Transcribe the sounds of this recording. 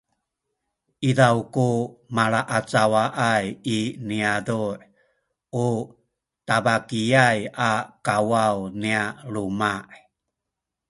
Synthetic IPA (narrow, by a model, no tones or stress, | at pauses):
ʔidawkumaɭaʔat͡sawaʔajiniaduʔ | ʔu | tabakijajakawawnialumaʔ